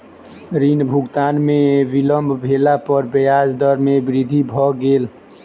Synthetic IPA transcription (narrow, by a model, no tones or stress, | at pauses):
ɾinbʱuɡt̪anmebiləmbʱbʱelapəɾbəjad͡ʒd̪əɾmebɾid̪ʱibʱɔɡel